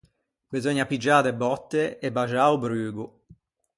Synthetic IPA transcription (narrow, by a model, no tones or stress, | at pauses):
bizɔɲːapid͡ʒːaːdebːɔt̪ːeebːaʒaːubɾyːɡu